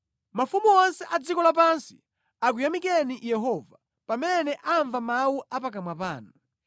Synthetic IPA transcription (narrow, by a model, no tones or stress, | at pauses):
mafumuɔnsɛʔad͡zikɔlap̬ansi̥ | ak̬ujamikɛnijɛɦɔva | pamɛnɛʔaɱvamawuap̬akamwapa̰ːnu